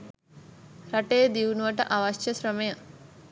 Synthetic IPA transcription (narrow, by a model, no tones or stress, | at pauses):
ɾɐʈeːd̪iwnuʋɐʈɐʔɐʋɐʃjɐɕɾɐmɐjɐ